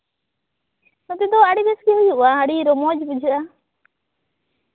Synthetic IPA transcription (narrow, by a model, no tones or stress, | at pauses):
ɔt̪ɛd̪ɔaɽibɛsɡɛɦujuʔaaɽiɾɔmɔd͡ʒbud͡ʒʱəʔa